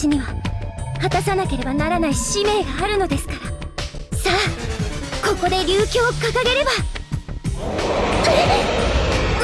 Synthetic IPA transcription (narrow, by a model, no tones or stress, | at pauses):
iɲ̟iβahat̪asanake̞ɾe̞banaɾanaiɕime̞ːɡaːɾɯ̟no̞d̪e̞sɨ̥kaɾasaː | ko̞ko̞d̪e̞ɾʲɨːkʲo̞ːkakaɡe̞ɾe̞ba